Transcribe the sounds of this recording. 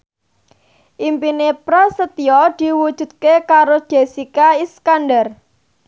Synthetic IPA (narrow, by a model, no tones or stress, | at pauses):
ʔimpinepɾɔsət̪iɔd̪̥i̤wud̥ʒ̥ṳd̪̚kekaɾod̥ʒ̥e̤sikaiskanɖər